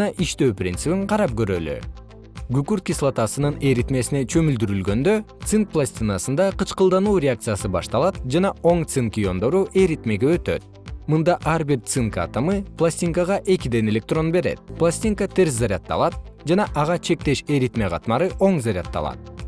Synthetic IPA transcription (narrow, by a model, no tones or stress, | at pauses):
ɑʔiʃt̪ø̞ːprʲḭnt̪sɨpiɴqʰɑɾɑp̚ɡø̞ɾøly̰ | ɡykyɾt̪̚kʲislˠat̪ɑsɯnɯne̞ɾit̪me̞sine̞t͡ʃʰø̞myld̪yɾylɡø̞nd̪ø̞t̪sɨŋk̚plˠasʲt̪ʲinasɯnd̪ɑqɯt͡ʃqɯlˠd̪ɑnuːɾʲeak̚t̪sɨjasɯbɑ̰ʃt̪ɑlˠɑt̪̚d͡ʒɑnɑo̞ŋt̪sɨŋkʲijo̞nd̪o̞ɾuʔe̞ɾit̪me̞ɡeøt̪ø̞̰t̪̚ | mɯnd̪ɑʔɑɾbiɾt̪sɨŋka̰t̪amɯplˠasʲtʲiŋkaʁɑʔe̞kid̪e̞ne̞lʲe̞k̚t̪ro̞nbe̞ɾe̞̰t̪̚plˠasʲt̪ʲiŋkat̪e̞ɾs̬zaɾʲat̪ːɑ̰lˠɑt̪̚d͡ʒɑnɑʔɑʁɑt͡ʃʰe̞k̚t̪e̞ʃeɾit̪me̞qʰɑt̪mɑɾɯʔo̞ŋzaɾʲa̰t̪ːɑ̰lˠɑ̰t̪̚